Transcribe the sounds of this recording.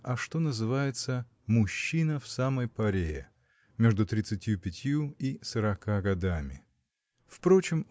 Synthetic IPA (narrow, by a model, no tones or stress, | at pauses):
ɐʂt̪o̞nəzɨvajɪt̪sə | mʊɕːinəfsaməjpɐɾʲejɪ | mʲe̞ʐd̪ʊt̪ɾʲɪt̪sɨtʲjupʲɪtʲjuisəɾɐkaɡɐd̪amʲɪ | fpɾo̞t͡ɕɪm